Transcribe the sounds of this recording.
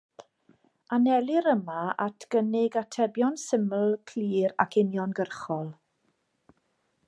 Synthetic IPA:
anɛlˠɪɾəmaatʰɡ̥ənɪɡatʰɛbjɔnsɪməlˠkʰliːɾa̰kʰɪnjɔnɡərχɔlˠ

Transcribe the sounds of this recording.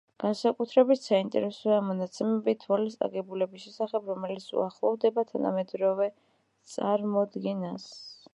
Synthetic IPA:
ɡ̥ansakʼut̪ʰɾɛbit̪ʰsaint̪ʼɛ̰ɾɛsɔamɔnat̪sʰɛmɛbit̪ʰvalisʼa̰ɡɛbulɛbisʃɛsaχɛbɾɔmɛlit̪sʰṵaχlˠɔvd̪ɛbat̪ʰana̰mɛd̪ɾɔvɛ | t̪sʼaɾmɔd̪ɡɛnas

